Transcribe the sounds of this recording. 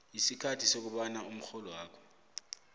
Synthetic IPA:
jisikʰatʰisok̬uɓanaum̩xɔlɔwaːkʰɔ̥

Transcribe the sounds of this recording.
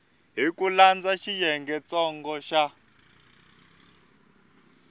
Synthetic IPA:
ɦikuland͡zaʃijɛŋɡɛt͡sɔŋɡɔʃa

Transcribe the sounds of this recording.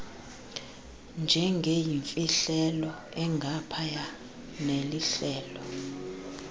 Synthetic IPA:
nd͡ʒʱɛŋɡʱejiɱfʼiɬɛlɔ | ɛŋɡʱapʰaja | neliɬɛːlɔ

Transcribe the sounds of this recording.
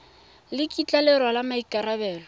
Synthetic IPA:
lɪkʼit͡ɬʼalɪɾwalamaikʼaɾabɛːlɔ

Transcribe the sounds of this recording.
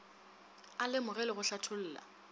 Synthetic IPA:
alɪmʊɣɛlɪɣʊɬatʰʊl̩ːla̰

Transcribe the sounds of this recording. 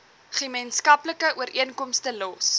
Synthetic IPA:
χəmənskɐpləkəʔuəɾʔiənkɔmstəlɔs

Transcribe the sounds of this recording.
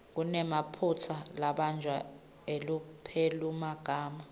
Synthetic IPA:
k̬unɛmapʰut͡sʰalaɓand͡ʒʱwa | elupʰelumaɡ̥ʱaːma

